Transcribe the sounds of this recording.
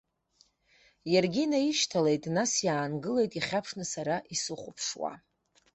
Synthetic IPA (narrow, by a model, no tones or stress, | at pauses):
jarɡʲinaiʃtʰalejtʼnasjaːnɡɨle̞jtʼiχʲapʰʂnɨsaɾaʔisɨχʷʊpʰʂwa̰